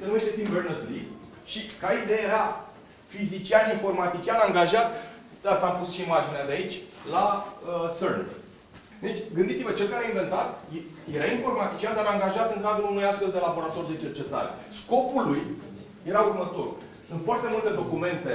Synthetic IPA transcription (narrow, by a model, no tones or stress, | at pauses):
senume̞ʃt̪et̪imvernəslḭɡ | ʃikaid̪ejajeɾa | fizit͡ʃianinfo̞rmat̪it͡ʃianaŋɡaʒat̪ | ast̪aːmpusʃiːmad͡ʒinead̪eait͡ʃʲlaəsərn | d̪et͡ʃʲɡɨnd̪itsivət͡ʃe̞lkaɾeainve̞nt̪at̪j | jeɾainfo̞rmat̪it͡ʃiand̪aɾaŋɡaʒat̪ɨŋkad̪ɾulunujast̪ve̞ld̪e̞labo̞ɾat̪o̞rd̪e̞t͡ʃe̞rt͡ʃe̞t̪a̰ɾe̞̰sko̞puluj | je̞ɾaurmət̪o̞̰r | sunt̪foart̪e̞mult̪e̞d̪o̞kume̞nt̪e̞